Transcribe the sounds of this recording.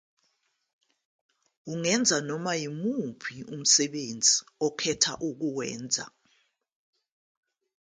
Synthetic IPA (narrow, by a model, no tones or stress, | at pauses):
uŋɛnd͡zʱanɔmajimupʰium̩sɛɓend͡zʱiɔkʰɛtʰa̰ʔuk̬uwɛ̰ːnd͡zʱa̰